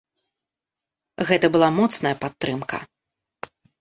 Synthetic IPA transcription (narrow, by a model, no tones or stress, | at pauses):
ɣɛt̪ɐbɨlˠamɔt̪snɐjɐpat̪ːɾɨmkɐ̰